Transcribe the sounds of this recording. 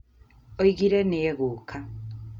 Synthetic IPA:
oiɣiɾeneːɣukʰa

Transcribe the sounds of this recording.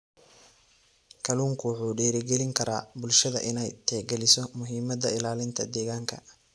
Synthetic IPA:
kʰɐluːŋkʰʊwħuːɖɛːɾɪɡɛlɪŋkʰɐɾʔa̰ːbʊlʃɐðɐ̰ʔɪnɛjt̪ʰɛːɡɛlɪsɔmʊɦiːmɐd̪ɐɪlaːlɪnt̪ʰɐd̪ɛːɣaːŋkʰɐ̰

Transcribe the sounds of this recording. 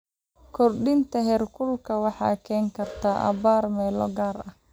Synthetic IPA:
kʰɔrɖɪnt̪ʰɐɦɛːrkʰʊlkʰɐwɑħɑ̰ːkʰɛːŋkʰɐrt̪ʰaːʔɐ̰βaːrmɛːlɔ̰ɡaːrɐ

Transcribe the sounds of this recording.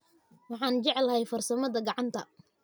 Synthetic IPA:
wɑħɑːnt͡ʃɛʕɛlɐhɛjfɐrsɐmɐðɐɡɑʕɑnt̪ʰɐ

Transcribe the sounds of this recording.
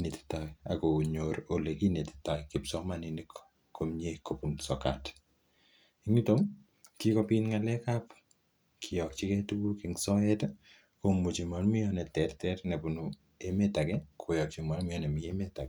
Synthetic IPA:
neti̥taa̰koɲoɾolekineti̥tajkɪpsɔmaninik | kʰomɲekopunsɔka̰t | iŋitom | kikopinŋalɛkap | kʰijɔkt͡ʃikɛtubukiŋsɔɛt | komut͡ʃimanmijɔnɛtɛrtɛrnepunu | emetakɛkʰojɔk̚t͡ʃimalmijɔnɛmiemetak

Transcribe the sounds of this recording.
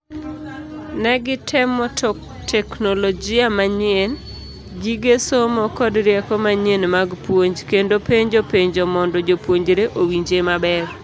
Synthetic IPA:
nɛɡɪtʰɪmɔtɔ | tʰɛknolod͡ʒɪamaɲɪen | ɡiɡesomɔkɔdɾjɛkɔmaɲenmaɡpwoɲd͡ʒkendopeɲd͡ʒopeɲd͡ʒomɔndɔd͡ʒopwoɲd͡ʒɾeʔowiɲd͡ʒemabɛr

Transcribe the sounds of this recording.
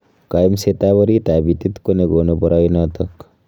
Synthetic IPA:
kajmset̪abəɾit̪abit̪it̪koneɡonubɔɾajnɔt̪ɔk

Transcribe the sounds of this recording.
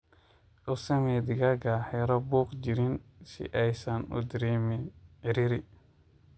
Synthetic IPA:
usɛmed̪iɡaɡahɛɾobukd͡ʒiɾinsḭʔajsanṵd̪ɾimiiɾiɾi

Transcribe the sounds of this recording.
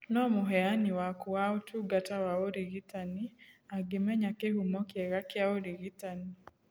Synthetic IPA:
nɔmuɦɛaniwakuwaotʰuɡatawaoɾiɡitaniaɡɪmɛɲakeɦumɔkjɛɣakɪaoɾiɣitani

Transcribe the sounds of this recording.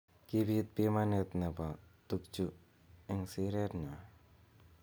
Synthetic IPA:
kibit̪̚pimanet̪nɐpat̪uk̚t͡ʃu | eŋsiɾeɾna

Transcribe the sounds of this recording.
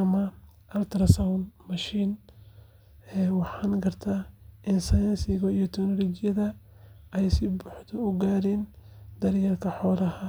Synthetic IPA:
ɐmɐ | ʔɐlt̪ʰɾɐsawnmɐʃiːn | ɛːwɑħɑːnɡɐrt̪ʰaːʔɪnsɐjɐnsɪɣɐijɔt̪ʰɛknɔlɔːd͡ʒɪjɐðɐ | ɛjsɪbʊħd̪ɔʊɡaːɾɛːnd̪̥ɐɾjɐrkʰɐħɔːlɐhɐ

